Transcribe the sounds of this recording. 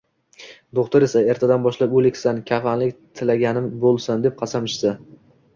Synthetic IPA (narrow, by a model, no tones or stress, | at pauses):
d̪oqt̪ʊɾe̞sae̞ɾt̪ʰad̪anbɒʃlapɵlɪkʲsankʲʰafanlɪkʲt̪ʰɪlaɡʲanɪmbolˠsand̪ep̚qʰɑsamɪʃsa